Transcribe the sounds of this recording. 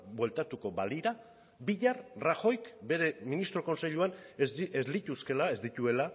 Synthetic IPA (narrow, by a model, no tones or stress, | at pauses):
bwe̞lt̪at̪uko̞βaliɾa | biʎarraxo̞jkbe̞ɾe̞minist̪ɾo̞ko̞nse̞ʎuanzezlit̪uske̞lae̞zd̪it̪ue̞la